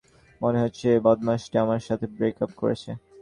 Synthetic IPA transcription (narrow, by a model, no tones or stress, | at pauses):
moneɦotːɕʰebɔd̪maʃʈiamaɾʃat̪ʰebɾekap̚koɾḛt͡ɕʰe